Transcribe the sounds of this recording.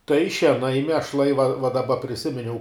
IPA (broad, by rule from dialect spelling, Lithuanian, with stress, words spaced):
tɐɪ ʃʲiɛˈnɐɪ mʲiɛʃˈlˠɐɪ ʋɐ ʋɐ dɐˈbɐ pʲrʲɪˈsʲɪmʲɪnʲɛʊ